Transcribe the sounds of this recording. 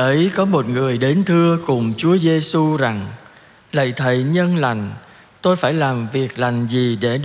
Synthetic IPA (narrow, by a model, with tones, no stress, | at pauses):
ʔə˨˦jkɔ˨˦mo˨˩t̚ŋɨ˨˩əjɗe˨˦nt̪ʰɨ˧əkʊ˨˩ŋ͡mt͡ɕu˨˦əze˧su˧za˨˩ŋ | lə̰˧˨jt̪ʰə˨˩jɲə˧nla˨˩jŋ̟ | t̪o˧jfaː˧˩jlaː˨˩mvi˨˩ək̚la˨˩jŋ̟zi˨˩ɗe˧˩